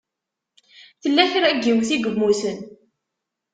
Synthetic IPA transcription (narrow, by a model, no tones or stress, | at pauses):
θəlːæçɾæɡːiwθiɡəmːusən